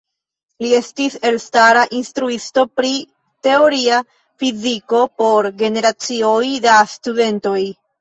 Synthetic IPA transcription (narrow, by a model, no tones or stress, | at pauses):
lie̞stise̞lstaɾaʔinstɾuisto̞pɾi | te̞o̞ɾia | fiziko̞po̞ɾɡe̞ne̞ɾat͡siojdastude̞nto̞j